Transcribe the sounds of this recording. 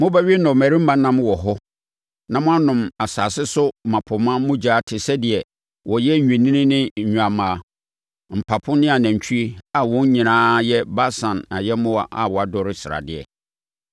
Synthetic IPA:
mʊ̃˦bæ˦ɥi˦nʊ̃˨mæ˨ɾĩ˦m̩˦mã˦nã˦m˦wɔ˨ɦɔ˦ | nã˨mʊ̃˦a˦nʊ̃˨ma˨saː˨sɪ˦sʊ˦mã˨pʰʊ˨mã˦mʊ̃˦d͡ʑaː˦tʰɪ˨sɛ˦dɪ˨ɛ˨ | wʔɔ˨jɛ˦˨ɲᶣĩ˨nĩ˦nɪ̃˦nɪ̃˦˨ɲᶣũ˨a˨mãː˨ | m̩˨pʰa˨pʰʊ̃˦nɪ̃˦a˨næ̃˨ɲ˨t͡ɕᶣʰu˦i˦a˨wɔ̃˦ɲ̩˦ɲĩ˨nãː˦jɛ˦ba˦sã˨na˨jɛ˦mʊ̃˦a˦ʔa̰˨wɔ˨a˨dɔ˨ɾɪ˦sɪ˨ɾa̰˨dɪ˦ɛ̰˨

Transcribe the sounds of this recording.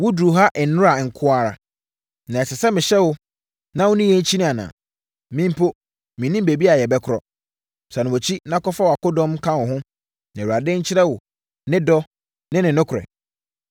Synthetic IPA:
wʊ˦du˨ɦa˦ʔɛ˨nʊ̃˦ɾa˨ŋ̩˨kʰʊ˦a˨ɾa̰˨ | nã˨ɛ˨sɛ˨sɛ˦mɪ̃˨ɕɛ˦wʊ˦ | nã˦wʊ̃˦nĩ˦jɛ˦ɲ̩˦t͡ɕʰi˦nɪ̃˦a˨nã̰ː˨ | mĩ˦m̩˦pʰo˦ | mĩ˨nĩ˦m˦be˨bi˦a˨jɛ˨bɛ˦kʰʊ˨ɾɔ̰˨ | sa˨nʊ̃˨o˨t͡ɕʰi˦nã˦kɔ˦fa˦wa˨kʊ˦dɔ̃˦mkʰã˦wʊ˨ɦʊ̃˦ | nã˨wu˨a˨dɪ̃˦ɲ̩˦t͡ɕʰɪ˦ɾɛ˦wʊ˨ | nɪ̃˦dɔ˦ | nɪ̃˦nɪ̃˨nʊ̃˦kʰʊ˨ɾɛ̰˨

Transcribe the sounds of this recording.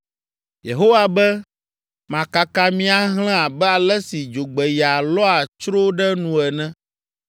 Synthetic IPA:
je˨ɦo˦wa˨bɛ˦ | mã˨ka˨ka˦mĩ˦a˦ɦl̃ɛ̃˦a˨bɛ˦a˨lɛ˦si˨d͡ʒo˨ɡ͡bɛ˨ja˨lɔ˦a˨t͡ʃɾo˦ɖɛ˦nũ˨ɛ˨nɛ̃˦

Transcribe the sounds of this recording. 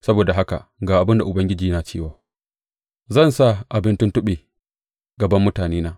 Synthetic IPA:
sɐ˦boː˨da˨ɦa˦ka̰˨ɡaː˨ʔa˨bɪ˦nda˨ʔʊ˨bɐ˦ŋɡʲɪ˦d͡ʒiː˨naː˨t͡ʃeː˦˨waː˨ | zɐ˦˨nsa˦˨ʔa˨bɪ˦ntʊ˦ntʊ˦ɓeː˨ | ɡɐ˨bɐ˦mːʊ˦taː˨neː˦naː˦

